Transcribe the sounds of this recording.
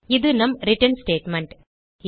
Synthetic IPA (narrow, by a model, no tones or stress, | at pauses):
ɪd̪ɯnɐmɾɪʈɐnsʈeːʈmɐɳʈ